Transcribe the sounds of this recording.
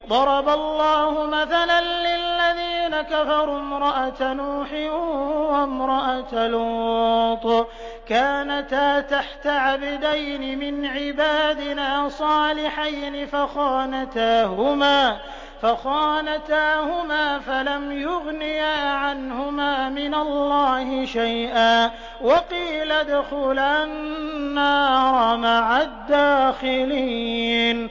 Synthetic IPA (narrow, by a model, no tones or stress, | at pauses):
d̪ˤɑɾˤɑbalːɑːhʊmaθalanlɪlːaðiːnakafɑɾˤuːmɾˤɑʔat̪anuːħɪːwamɾˤɑʔat̪aluːt̪ˤ | kaːnat̪aːt̪aħt̪aʕabad̪ajnɪmɪnʕɪbaːd̪ɪnaːsˤɑːlɪħajnɪfaxɑːnat̪aːhʊmaː | faxɑːnat̪aːhʊmaːfalamjʊɣnɪjaːʕanhʊmaːmɪnalːɑːhɪʃajʔaː | wɑqiːlad̪ʊxʊlanːaːɾˤɑmaʕad̪ːaːxɪlin